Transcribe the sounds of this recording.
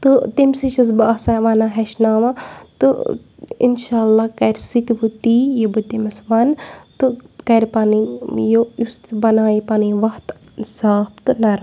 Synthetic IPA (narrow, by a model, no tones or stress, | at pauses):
t̪ɨt̪imsiʃus̬bɐɐsaʋɐnaɦɐʃnaːmɐt̪ɨ | ḭnʃaːlːakɐɾsit̪but̪ijɐbut̪imɐsʋɐnt̪ɨkɐɾpaːnijojust̪bɐnaːjipaːniʋɐht̪ | saːbt̪ɨnɐɾ